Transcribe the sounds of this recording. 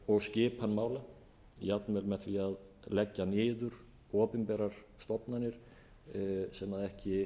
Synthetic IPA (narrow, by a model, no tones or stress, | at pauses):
ɔɣscɪːpʰanmaːwla | jat̪nmɛlmɛht̪viað | lɛcːanɪːðʏɾ̥ | ɔːpɪmpɛːɾaɾ̥st̪ɔpnanːɪɾ̥ | sɛmaðɛhcɪ